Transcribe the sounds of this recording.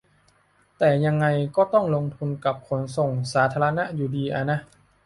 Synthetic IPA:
t̪ɛː˨˩ja˧ŋːa˧jkɔː˥˩t̪ɔ˥˩ŋlo˧ŋt̪ʰu˧nka˨˩p̚kʰo˩˦nso˨˩ŋsaː˩˦t̪ʰaː˧la˧na˦˧˥ʔjuː˨˩diː˧ʔa˧˩na˧˥ʔ

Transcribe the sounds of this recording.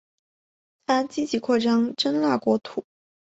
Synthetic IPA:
t̪ʰa˥t͡ɕi˥t͡ɕi˧˩kʰwɔ˥˩ʈ͡ʂɑ˥ŋʈ͡ʂə˥nla˥˩kwɔ˧˥t̪ʰu˨˩˦

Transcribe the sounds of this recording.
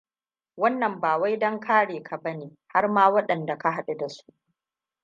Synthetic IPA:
wɐ˦nːɐ˨mbaː˨wa˦jdɐ˦ŋkʰaː˦ɽeː˨kʰa˨bɐ˦neː˨ | ha˦rmaː˦wɐ˦ɗɐ˨nda˨ka˦ɦa˨ɗu˦da˨su̥˦ʔ

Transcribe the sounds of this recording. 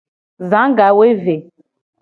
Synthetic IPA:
zã˨˦ɡa˨we˦ve˨

